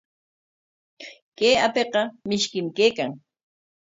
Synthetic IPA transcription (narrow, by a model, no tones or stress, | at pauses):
keːapeqɑmɪʃkɪmkeːkaŋ